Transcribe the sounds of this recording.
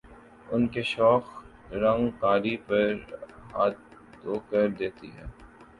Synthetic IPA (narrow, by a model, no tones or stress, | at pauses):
ʊnkeʃɔːx | ɾɐ̃ŋɡkaːɾipɐɾɦaːt̪ː | oːkəɾd̪eːt̪ḭɦɛ̰ː